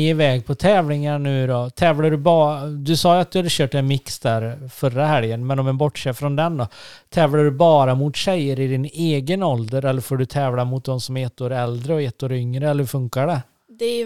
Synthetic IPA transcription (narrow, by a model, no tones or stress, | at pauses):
ɪvɛːɡ̚pʰɔt̪ʰɛːvlɪŋaɳʉ̟ːɾɔt̪ʰɛːvlaɖɵbɑːd̪ɵsɑːjat̪̚d̪ɵhad̪əɕøːʈɛnmɪksd̪æɾfœɾahɛljənmɛnɔmɛnbɔʈːʂeːfɾɔnd̪ɛnd̪ɔt̪ʰɛːvlaɖɵbɑːɾamʊt̪ɕɛjːəɾɪd̪ɪneːɡənɔld̪əɾɛlːəɾfoːɖɵt̪ʰɛːvlamʊt̪̚d̪ɔmsɔmɛt̪ːoːɾɛld̪ɾəɔɛt̪ːoːɾʏŋɾəɛlːəɾfɵŋkaɖə | d̪ɛ